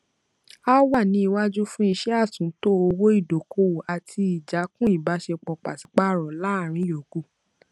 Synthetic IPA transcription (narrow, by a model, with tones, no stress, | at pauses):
a˦wa˦˨nĩ˧i˧wa˦d͡ʒu˦fũ˦i˧ʃɛ˦a˦˨tũ˨˦to˦o˧wo˦i˦˨do˨kʰo˦wo˨ʔa˨tʰi˧i˨d͡ʒa˨˦kũ˦i˦˨ba˨˦ʃe˧k͡pɔ˧k͡pa̰˨si̥˨˦k͡pa˦˨ɾɔ˨la˦˨ɾ̃ĩ˨˦jo˨ɡo˦˨